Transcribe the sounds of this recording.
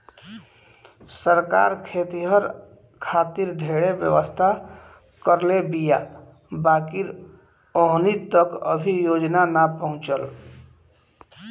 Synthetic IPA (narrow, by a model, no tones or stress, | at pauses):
səɾka̰ɾkʰet̪iɦəɾ | kʰat̪iɾɖʱeɽebjə̰ʋəst̪ʰa | kəɾlebija̰ | baːkiɾ | oɦnit̪əkə̰bʱijod͡ʒnanapəɦʊ̃t͡ʃəl